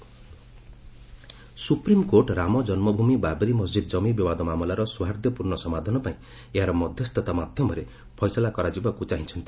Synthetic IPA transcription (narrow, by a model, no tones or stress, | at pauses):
supɾimkoʈɾamɔd͡ʒɔnmɔbʱumibabɾimɔsd͡ʒid̪ɔd͡ʒɔmibibad̪ɔmamɔlaɾɔsuɦaɾd̪jɔpuɾɳɔsɔmad̪ʱɔnɔpaĩ | eɦaɾɔmɔd̪ʱjɔst̪ʰɔt̪amad̪ʱjɔmɔɾe | pʰɔjsɔlakɔɾad͡ʒibakut͡ʃaɦĩt͡ʃʰɔnt̪i